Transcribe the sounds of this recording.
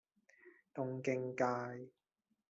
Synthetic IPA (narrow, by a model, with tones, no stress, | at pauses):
t̪ʊ˧ŋkɪ˧ŋkaː˧j